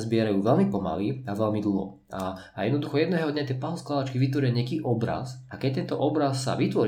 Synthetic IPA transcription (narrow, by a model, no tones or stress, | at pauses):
zbɪɛɾajuːʋɛlmipɔma̰liaʋɛlmid̪l̩ˠɦɔ̰ | a | jɛd̪nɔd̪uxɔjɛd̪nɛːɦɔd̪ɲat̪jɛpaɦɔsklaʋat͡ʃkiʋit̪ʋɔɾɪaɲɛakiːʔɔbɾa̰sakɛc̚t̪ɛnt̪ɔʔɔbɾasːa̰ʋit̪ʋɔɾ